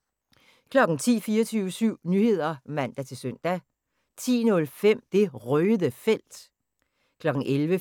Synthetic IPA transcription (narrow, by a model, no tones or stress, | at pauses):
kʰlɒ̽ɡ̥n̩t͡sʰḭːfiːɐt͡sʰyːʊəsyʊ̰nyhe̝ð̞̰ˠɐmæn̰d̥æt͡sʰe̝lsøn̰d̥æ | t͡sʰḭːnɔ̽lfem̰d̥e̝ʁœːðˠəfel̰d̥ | kʰlɒ̽ɡ̥ŋ̩ʔelʋə